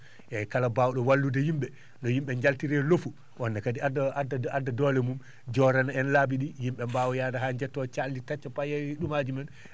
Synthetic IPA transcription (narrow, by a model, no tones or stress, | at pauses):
ʔɛkalabawɗɔwalːudɛjimɓɛ | nɔjimɓɛɲd͡ʒaltiɾɛlofu | wɔnːakadiaddaadːadɔlɛmum | d͡ʒɔɾanaɛnlabiɗijimɓɛmbawɔjadaɦaɲd͡ʒɛtːɔt͡ʃalːitat͡ʃːapajɛɗumad͡ʒumɛn